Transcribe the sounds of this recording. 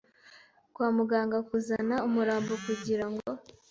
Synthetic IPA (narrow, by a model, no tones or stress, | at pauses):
kwaːmuɡaːŋɡakuzanaumuɾaːmbokuɟiɾaŋɡo̞